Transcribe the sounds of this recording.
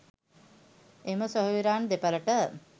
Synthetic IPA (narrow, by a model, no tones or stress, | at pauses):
eməsoɦuʋiɾaːnd̪epələʈə